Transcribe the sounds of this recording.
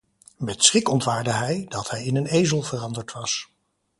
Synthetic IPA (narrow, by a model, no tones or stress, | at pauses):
mɛtsχɪkɔntʋaːɹdəɦɛjdɑtɦɛjɪnənejzəlˠvərɑndəɹtʋɑs